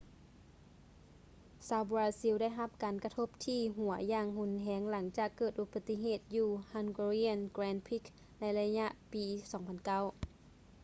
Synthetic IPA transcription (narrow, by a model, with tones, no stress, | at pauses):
saː˧˥wbu˧ɾaː˧si˧˥wda˥˩˨jɦa˧p̚kaː˨nka˧t̪ʰo˧˥p̚t̪ʰiː˧ɦu˨˩˦ɐjaː˧˩ŋhu˧˩nɦɛː˨˧˦ŋla˩˦ŋt͡ɕaː˨˩kːɤː˨˩t̪̚ʔu˧˥pa˨˧t̪ːi˧ɦeː˧˨˩t̪̚juː˧˩ha˧˥nɡu˧ɾi˧˥a˧˨nkɾɛː˧˥npʰi˧˥k | na˧˥jla˧ɲa˧ʔpiː˨˧sɔː˩˦ŋpʰa˧˨nka˧˥˩w